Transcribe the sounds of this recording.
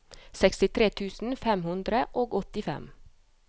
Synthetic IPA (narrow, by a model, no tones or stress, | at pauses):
sɛkst̪ɪt̪ʰɾeːt̪ʰʉːsn̩fɛmhʉnd̪ɾəʔoːɡɔt̪ɪfɛ̰m